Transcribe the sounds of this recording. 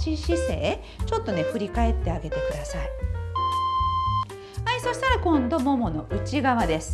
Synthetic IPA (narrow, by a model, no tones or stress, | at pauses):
ɕiɕise̞̰ː | t͡ɕo̞t̪ːo̞ne̞ɸɯ̟ɾʲikae̞t̪ːe̞aɡe̞t̪e̞kɯ̟d̪asai | aiso̞ɕi̥t̪aɾakõ̞nd̪o̞mo̞mo̞no̞ʔɯ̟t͡ɕiɡaβad̪e̞sɨ̥